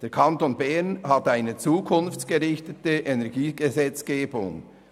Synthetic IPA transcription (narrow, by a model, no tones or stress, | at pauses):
d̥eːɾkʰɑntonbɛɾnhɑtaɪnət͡suːkʰʊnft͡sɡ̥eɾɪçtətəʔenɛɾɡiːɡ̥ezɛt͡sɡ̥eːbʊ̰ŋ